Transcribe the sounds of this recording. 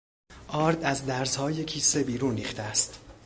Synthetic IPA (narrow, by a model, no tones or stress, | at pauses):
ʔɒːɾd̪æzd̪æɾzhɒːje̞cʰiːse̞biːɾuːnɾiːxt̪ʰeæst̪